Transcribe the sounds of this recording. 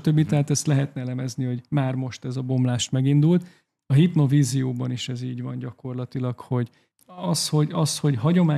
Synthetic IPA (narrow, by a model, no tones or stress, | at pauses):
t̪øbːit̪ɛɦaːt̪ɛst̪lɛɦɛt̪nɛɛlɛmɛzniho̞ɟmaːrmo̞ʃt̪ɛzɒbo̞mlaːʃt̪mɛɡind̪ult̪ | ɒɦitno̞viːzijoːbɒniʃɛziːɟʋɒnɟɒko̞rlɒt̪ilɒkho̞ɟ | ɒsho̞ɟɒsho̞ɟɦɒɟo̞maː